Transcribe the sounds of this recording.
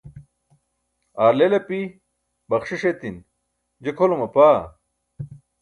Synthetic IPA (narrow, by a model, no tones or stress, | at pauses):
aːɾlelɐpi | bɐkʂiɕet̪in | d͡ʑekʰolomɐpaː